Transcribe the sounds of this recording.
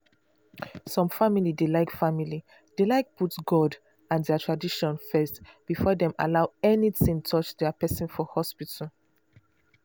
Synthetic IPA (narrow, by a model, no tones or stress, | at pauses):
sɔ̃mfamilidelaɪkfamili | d̥elaɪk̚putɡɔd | ãndɛatʰɹadiʃɔ̃nfɛstb̥ifɔdɛ̃ma̰laʊɛnitĩŋtʰɔt͡ʃdɛəpɛsĩnfɔhɔspitʰəl̩